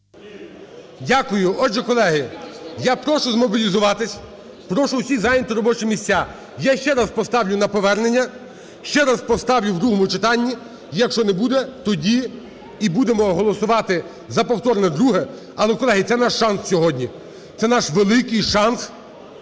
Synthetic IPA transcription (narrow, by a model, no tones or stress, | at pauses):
dʲakʊjʊɔʒɛkɔlˠɛɦɪjapɾɔʃʊzmɔbʲilʲizʊʋɑt̪ɪsʲ | pɾɔʃʊwsʲizɑjɪnʲt̪ʊɾɔbɔt͡ʃɛmʲisʲt͡sʲa | jaʃt͡ʃɛɾɐspɔst̪ɑwlʲʊnɐpɔʋɛrnenʲːɐ | ʃt͡ʃɛɾɐspɔst̪ɑwlʲʊwd̪ɾuɦɔmʊt͡ʃɪt̪ɑnʲːi | jɐkʃt͡ʃɔnɛbud̪ɛt̪ɔdʲi | ibud̪emɔɦɔlˠɔsʊʋɑt̪ɪ | zɐpɔwt̪ɔɾnɛd̪ɾuɦɛ | ɐlˠɛkɔlˠɛɦɪt̪sɛnɑʃːɑnssʲɔɦɔdʲnʲi | t̪sɛnɑʃʋelˠɪkɪjʃɑns